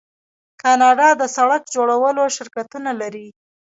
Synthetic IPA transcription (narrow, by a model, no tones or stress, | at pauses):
kɑnɑɖɑd̪əsaɽakd͡ʒoɽawəloʃɪɾkat̪unalaɾi